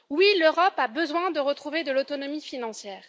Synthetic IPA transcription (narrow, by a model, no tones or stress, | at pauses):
wiløʁɔpabəzwɛ̃d̪əʁət̪χuved̪əlot̪ɔnɔmifinɑ̃sjɛːʁ